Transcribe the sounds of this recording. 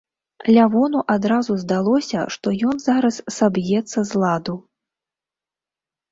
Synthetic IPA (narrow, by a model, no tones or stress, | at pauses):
lʲavɔnuʔad̪ɾazuzd̪alˠɔsʲɐ̰ʂt̪ɔjɔnzaɾɐsːabjɛt̪sːɐzlˠad̪u